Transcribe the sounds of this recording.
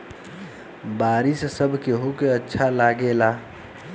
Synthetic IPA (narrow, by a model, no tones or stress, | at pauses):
baːɾɪssəbʱkeɦokeətːʃʰalaːɡelaː